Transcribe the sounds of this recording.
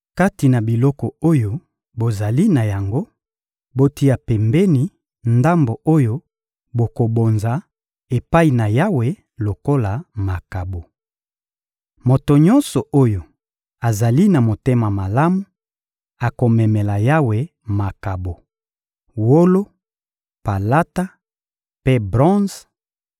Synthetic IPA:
ka˦ti˨na˨bi˨lɔ˦kɔ˨o˦jo˨ | bo˨za˨li˦na˨ja˨ŋɡo˦ | bo˦ti˦a˨pɛ˨mbɛ˦ni˨ | nda˦mbo˨o˦jo˦ | bo˨ko˨bo˨nza˨ | e˨pa˦i˨na˨ja˦we˨ | lo˨ko˦la˨ma˨ka˨bo˨ | mo˨to˨ɲɔ̃˦nsɔ˨ʔo˦jo˨ | a˨za˨li˦na˨mo˨te˦ma˨ma˨la˦mu˨˦ | a˨ko˨mɛ˨mɛ˨la˨ja˦we˨ | ma˨ka˨bo˨ | wo˦lo˦ | pa˨la˦ta˦ | pe˦bʁɔ̃˦z

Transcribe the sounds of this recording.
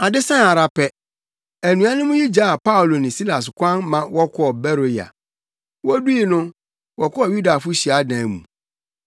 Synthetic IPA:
a˨dɪ˦sã˦˨a˨ɾa˨pʰɛ˨ | æ˨nũ˨a˦nʊ̃˦mʊ̃˦ji˦d͡ʑa˦a˨pa˦ʊ˨lo˨nɪ̃˨si˦la˨s̬kʰʷã˦nmã˨wɔ˦kʰɔ˦ɔ˨bɛ˦ɾo˨ja̰˨ | wɔ˦du˦i˨nʊ̃˦ | wɔ˨kʰɔ˦ɔ˨ju˦da˨fʊ˦ɕi˨a˨˦dã˨mṵ̃˨

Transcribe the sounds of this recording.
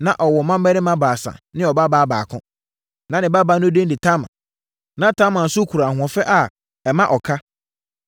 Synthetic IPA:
nã˨ʔɔ˨wɔ˨mã˦m˦mɛ˦ɾɪ̃˦mã˦baː˨sã̰˨nɪ̃˦ɔ˨ba˦baː˦ba̰ː˨kʰʊ̃˦ | nã˨nɪ̃˨ba˦ba˦nʊ̃˦dẽ˦ndɪ˨tʰã˦mã̰˨ | nã˨tʰã˦mã˨n̩˨sʊ˦kʰu˨ɾa˨ɦʊ̃˨ɔ̃˨fɛ˦ʔa˨ | ɛ˨mã˦ʔɔ˨kʰa˦

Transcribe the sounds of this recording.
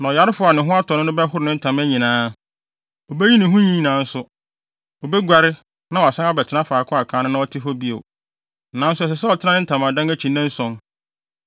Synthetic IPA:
nã˨ɔ˨ja˨ɾɪ˦fʊ˦a˨nɪ̃˨ɦʊ̃˦a˦tʰɔ˨nʊ̃˦nʊ̃˦bɛ˦hʊ˦ɾɪ˨nɪ̃˦n̩˦tʰã˨mæ˦ɲĩ˨nãː˦ | ɔ˨bɛ˦ɲĩ˦nɪ̃˨ɦʊ̃˦ɲĩ˦˨nãː˨˦n̩˦sʊ˦ | ɔ˨bɛ˦ɡʷa˨ɾɪ˦ | nã˦wɔ˨a˨sã˦a˦bɛ˨tʰɪ˦nã˦faː˨kʰʊ̃˦a˨kʰãː˨˦nʊ̃˦nã˦ɔ˦tʰɪ˦fɔ˦bi˦o̰˨ | nã˨˦n̩˦sʊ˦ɛ˨s̬ɛ˨sɛ˦ɔ˨tʰɪ˦nã˦nɪ̃˦n̩˦tʰã˨mã˨dã˦ŋæ˦t͡ɕʰĩ˨nːɛ̃˦n̩˦sɔ̃˨n

